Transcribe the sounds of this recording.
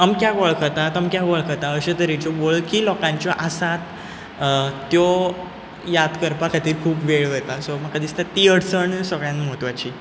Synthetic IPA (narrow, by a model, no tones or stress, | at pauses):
amkjaɡɔɭkʰət̪at̪amkjaɡɔɭkʰət̪aəɕet̪əɾit͡ɕɔboɭkiːlɔkãɲt͡ɕjɔʔasat̪ | jɔ | jad̪kəɾpakʰat̪iːɾkʰuːpʋeɭɛt̪asɔməkad̪iːst̪at̪ːiəɽsəɳsəɡɭjãnmɔɦt̪ʋat͡ɕiː